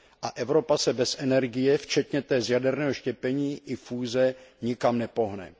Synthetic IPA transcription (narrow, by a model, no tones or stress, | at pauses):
ʔaʔɛvɾo̞pasɛbɛsɛnɛɾɡɪjɛft͡ʃɛt̪ɲɛt̪ɛːzjadɛɾnɛːɦoʃcɛpɛɲiːʔɪfuːzɛɲɪkamnɛpo̞ɦnɛ̰